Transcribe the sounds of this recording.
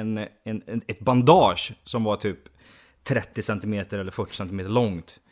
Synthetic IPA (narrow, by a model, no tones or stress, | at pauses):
ɛnɛnɛt̪band̪ɑːʂsɔmvaʈʰyːp | t̪ʰɾɛt̪ːɪsɛnt̪ɪmeːt̪əɾɛlːəɾfœʈːɪ̥sɛnt̪ɪmeːt̪əɭɔŋt̪